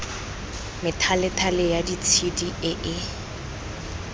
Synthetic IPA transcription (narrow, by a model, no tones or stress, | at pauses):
mɪtʰalɪtʰalɪjadit͡sʰidiɪʔɪ